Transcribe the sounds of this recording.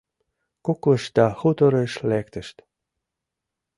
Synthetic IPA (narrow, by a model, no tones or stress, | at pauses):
koklə̆ʃt̪ɑxut̪oɾeʃlækt̪ə̆ʃt̪